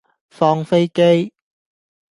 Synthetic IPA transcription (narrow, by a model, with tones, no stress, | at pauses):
fɔː˧ŋfe˥jke˥j